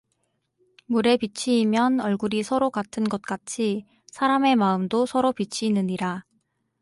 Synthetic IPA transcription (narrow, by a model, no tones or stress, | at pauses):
muɾe̞pit͡ɕʰiːmjʌnʌɭɡuɾisʰʌɾokatʰɯnɡʌt̚k͈at͡ɕʰi | sʰaɾame̞maɯmdosʰʌɾopit͡ɕʰiːnɯɲiɾa